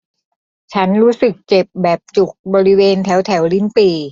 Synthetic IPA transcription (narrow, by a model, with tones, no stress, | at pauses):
t͡ɕʰa˦˥nɾuː˦˥sɯ˨˩k̚t͡ɕe˨˩p̚bɛː˨˩p̚t͡ɕu˨˩k̚bɔː˧ɾi˦˥weː˧nt̪ʰɛ˩˦˥wt̪ʰɛ˩˦wli˦˥npiː˧˩